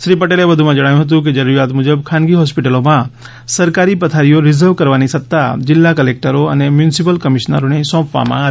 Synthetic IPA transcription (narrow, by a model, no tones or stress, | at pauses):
ʃɾipəʈeːleʋəd̪ʱumãd͡ʒɐɽaːjũɦət̪̬ũk̬ed͡ʒəɾuɾijaːt̪mʊd͡ʒəbkʰaːnɡiɦɔːspɪʈəlomã | sɐɾkaːɾipət̪ʰaːɾijoɾɪzəɾʋkəɾʋaːnisɐt̪ːad͡ʒɪlːakəlek̚ʈəɾoɐ̰nemjunɪsipəlkəmɪʃna̰ɾonesɔ̃ːpʋa̰mã̰ː